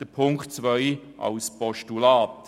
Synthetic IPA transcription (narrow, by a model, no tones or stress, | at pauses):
d̥əpʰʊŋkχtt͡sʋœʏʔɑ̰wspɔʃtulaːt